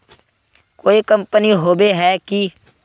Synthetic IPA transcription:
koːikəmpəniɦoːbeɦɛːki

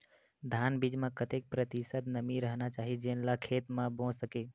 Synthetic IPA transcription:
d̪ʱanbid͡ʒmẽkət̪ek̚pɾət̪isət̪nəmiɾəɦnat͡ʃaɦid͡ʒenlakʰet̪mãbõsəke

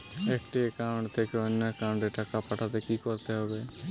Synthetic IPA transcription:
ekʈekãːɳɖt̪ʰeːkonːeːkãːɳɖeːʈəkapəʈʰaːt̪eːkiːkoɾt̪eɦoːɡeː

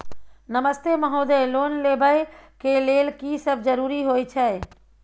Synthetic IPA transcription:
nəməst̪eməɦoːd̪eloːnleːbəekeleːlkisəb̚d͡ʒəɾuːɾiɦoːit͡ʃʰɛ

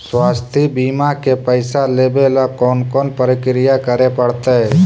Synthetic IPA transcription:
swaːst̪ʰibiːmakepəɪsaleːbelakɔːnkɔːnpəɾɪkɾɪjakəɾepəɽt̪eɦɛ

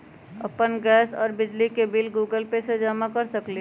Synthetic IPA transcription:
ə̰pənɡɛːsɔ̰ːɾbɪd͡ʒlikebɪlɡuːɡəlpesed͡ʒaːmakəɾsəkli

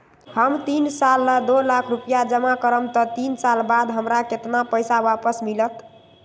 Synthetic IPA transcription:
həmt̪insalːəd̪olakʰɾupijad͡ʒəmakəɾəmt̪ət̪insalbad̪ɦəmɾaket̪napəjsabapəsmilət̪

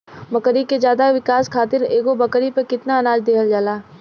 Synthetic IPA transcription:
mbɐkəɾiked͡ʒjaːd̪aʋɪkaːskʰaːt̪ɪɾeːɡobɐkəɾipekɪt̪naɐnaːd͡ʒd̪eːɦəld͡ʒaːlaː

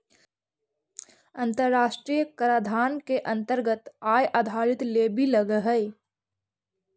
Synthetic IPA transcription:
ə̃nt̪əɾːaːʃʈɾijəkəɾad̪ʱaːnkeʔə̃nt̪əɾɡət̪aːjʔad̪ʱaːɾɪt̪leːbʱiləɡəɦəj

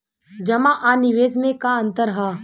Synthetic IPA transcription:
d͡ʒɐmãʔaːnɪʋeːsmẽkaɐ̃nt̪əɾɦaː

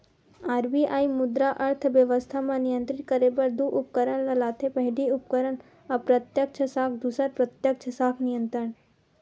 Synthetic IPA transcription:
aːɾbiaːimʊd̪ɾaʔɐɾt̪ʰʋjəʋəst̪ʰamãnijə̃nt̪ɾɪt̪̚kəɾebɐɾd̪uʔʊp̚kəɾəɳlɐlaːt̪ʰepɐɦɪɖiʊpkəɾəɳ | ɐpɾɐt̪jək̚t͡ʃʰəsaːkʰd̪usəɾpɾɐt̪jək̚t͡ʃʰəsaːkʰnijə̃nt̪ɾəɳ

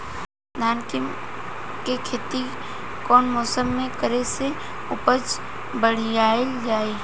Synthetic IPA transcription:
d̪ʱaːnkɪ | kekʰeːt̪i | kɔːnmɔːsəmːẽkəɾese | ʊpət͡ʃ | bəɽ̤jaːeld͡ʒaːeː

